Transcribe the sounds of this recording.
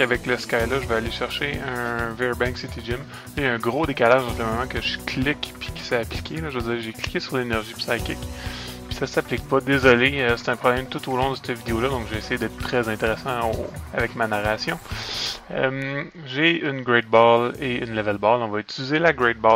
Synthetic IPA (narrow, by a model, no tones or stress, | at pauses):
avɛkləskajlʌʒəvɛaleʃɛʁʃeœ̃vɛɹbɛ̃ŋksit̪eʒɪm | jɛ̃ɡʁod̪ekalaʒd̪ɑ̃kləmɔmɑ̃kəʒəkʰlɪkpʰi̥kʲi̥sɛapli̥kʲʰelʌʒvəd͡ziːʁʒekli̥kʲesyʁlenɛʁʒipsakʲɪkpi̥sasaplɪk̚pʌd̪ezɔleəse̥t̪ɛ̃pχɔblɛ̃jmt̪ut̪olɔ̃d̪əst̪əvid̪eolʌd̪ɔ̃kʒeːsɛjed̪ɛt̪̚t̪χɛzɛ̃t̪eʁɛsɑ̃oavɛkmanaʁasjɔ̃ | əm | ʒeynɡʁɛd̪̚bɑleynlɛvɛlbɑlɔ̃vʌyt͡sylizelaɡʁɛd̪̚bɑ